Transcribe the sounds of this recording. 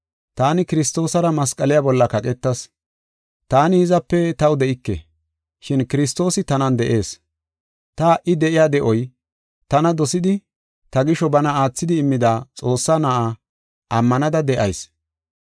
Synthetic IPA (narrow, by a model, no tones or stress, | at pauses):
t̪aːnɪkɪɾɪst̪o̞ːsɐɾɐmɐskʼɐlɪjaːbɔlːɐkɐkʼɛt̪ːɐs | t̪aːnɪhɪzɐpːɛt̪ɐwd̪ɛʔɪkːɛ̰ | ʃɪnkɪɾɪs̬t̪o̞ːsɪt̪ɐnɐnd̪ɛʔe̞ːs | t̪ɐʔɪd̪ɛʔɪjaːd̪ɛʔɔj | t̪ɐnɐd̪ɔsɪd̪ɪ | t̪ɐɡɪʃɔbɐnɐaːt͡sːɪd̪ɪːmːɪd̪aːt͡sʼo̞ːsːanɐʔaː | ʔɐmːɐnɐd̪ɐd̪ɛʔɐ̰js